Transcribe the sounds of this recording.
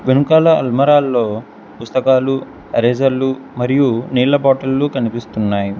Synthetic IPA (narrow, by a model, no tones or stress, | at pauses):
ʋenukaːlɐɐlmɐɾaːlːo̞ː | pust̪ɐkaːlu | ɐɾeːd͡ʒɐlːumɐɾijuniːlɐbɔːʈɐlːukɐnipist̪unːaːji